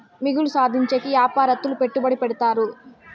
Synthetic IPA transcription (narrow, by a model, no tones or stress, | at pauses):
miɡulusaːd̪ʱiɲt͡ʃɐkijaːpaːɾɐt̪ːulupeʈːubɐɽipɛɽut̪aːɾu